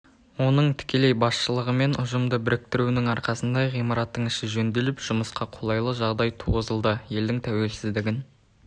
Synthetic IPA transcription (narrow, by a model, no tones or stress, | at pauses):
wo̞nəɴt̪ʰɪ̥kʲe̞le̞jbɑsʃəlˠəʁəme̞nʊʒəmd̪əbɪɾɪk̚t̪ɪɾunɪŋɑɾqɑsənd̪ɑʁijmɑɾɑt̪ːəɴɪʃɪʒɵnd̪e̞lɪpʒ̥ʊməsqɑqʰo̞lˠɑjlˠəʒɑʁd̪ɑjt̪ʰuʁəzəlˠd̪əje̞ld̪ɪŋt̪ʰæwe̞lsɪzd̪ɪɡʲɪn